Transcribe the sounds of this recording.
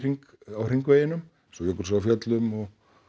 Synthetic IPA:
riŋk | awr̥iŋkveːjɪnʏm | sɔjɔkʏɾsaafjœt̪lʏmɔɣ

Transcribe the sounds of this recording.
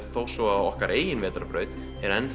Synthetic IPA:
θoːwsɔawɔhkaɾʔeːjɪnvɛːt̪ɾaɾpɾœːɥt̪ | ɛɾɛnθ

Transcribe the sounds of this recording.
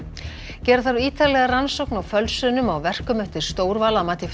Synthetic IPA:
cɛːɾθaɾiːt̪alɛɣaransowknawfœlsʏnʏmawvɛr̥kʏmʏht̪ɪɾ̥st̪oːwɾvaːlamaːt̪ɪf

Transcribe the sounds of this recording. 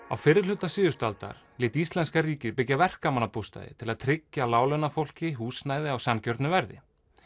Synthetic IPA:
a̰wfɪːɾɪɾ̥l̥ʏt̪ːasiːðʏst̪alt̪a̰ɾ̥lɪːt̪ist̪lɛnskaɾiːcɪðpɪcːavɛr̥kamanapust̪a̰jðɪ̰t̪ʰɪlaðt̪ʰɾɪcːalaːwlœnafowl̥cɪɦuːsnaːjðɪawsancœɾt̪nʏvɛɾðɪ̰

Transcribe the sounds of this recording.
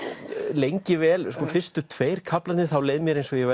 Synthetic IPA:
lejɲcɪvɛːlskɔːfɪr̥st̪ʏt̪ʰveːjɾ̥kʰaplat̪nɪθawleːjðmjɛɾejnsɔjɛvɛ

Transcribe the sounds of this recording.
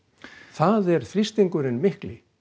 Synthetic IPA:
θaðɛɾ̥θɾist̪iŋkʏɾɪnmɪhklɪ

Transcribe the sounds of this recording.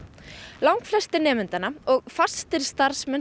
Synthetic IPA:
lawŋkflɛst̪ɪnɛːmʏnt̪anaɔɣfast̪ɪɾ̥st̪aɾ̥smɛn

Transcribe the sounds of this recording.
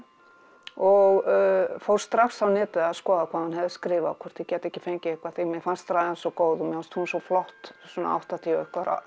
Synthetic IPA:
ɔɣfowɾ̥st̪ɾaksawnɛːt̪ɪaðskɔːðakʰvaːðhanhɛvðɪskɾɪːvakʰɔr̥t̪ʰɪcɛːt̪ɛhcːɪ̥fejɲcɪehkvaθeɣmɛfanst̪ɾaːðɛnsɔkoːwðɔmjɛfanst̪husɔflɔht̪sɔna̰a̰wht̪at̪ʰiœhkvaɾa̰

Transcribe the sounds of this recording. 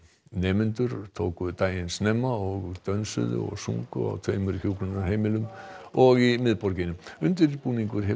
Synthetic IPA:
nɛːmʏnt̪ʏɾ̥t̪ʰoːwkʏt̪aːjɪnsnɛːmːaɔɣt̪œnsʏ̰ðʏ̰ɔ̰ɣsṵŋkʏ̰a̰wt̪ʰeːmʏɾçjuːwklʏnaɦeːjmɪlʏmɔɣimɪðpɔɾcɪnʏmʏnt̪ɪɾipuːniŋkʏɾ̥ɦɛ

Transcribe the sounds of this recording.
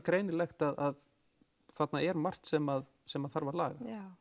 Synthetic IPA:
kɾejnɪlɛjxt̪aðað | θat̪naɛɾmar̥t̪sɛmað | sɛmaðθaɾvaɾla̰ːɣa

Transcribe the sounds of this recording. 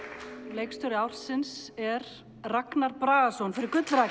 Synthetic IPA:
leːjkst̪ʏɾɪaːwɾ̥sɪnsɛɾ | raknaɾpɾaːɣasownfɪɾɪɾkʏt̪lɾa

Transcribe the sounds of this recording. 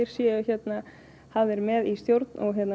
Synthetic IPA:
ɪɾ̥sjɛːʏçjɛt̪na | haðɛɾmɛðist̪jowɾt̪nʔɔɣçjɛt̪n

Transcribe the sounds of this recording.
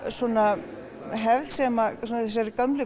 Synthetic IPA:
sɔːna | ɦɛvð̥sɛmasɔnθɛs̬aɾkœmlɪ

